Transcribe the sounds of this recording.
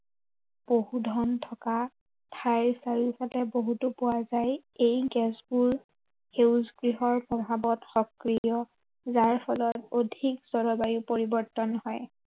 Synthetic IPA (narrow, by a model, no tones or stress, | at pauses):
b̥oɦudʱɔntʰɔka | tʰajsaɹifatɛboɦutʊpʊwazajejɡɛsbuɹ | heʊzɡɹiɦɔɹpɹɔbʱabɔtxɔkɹijɔ | zaɹpʰɔlɔtodʱikz̥ɔɹɔbajupoɹibɔɹtɔnhɔj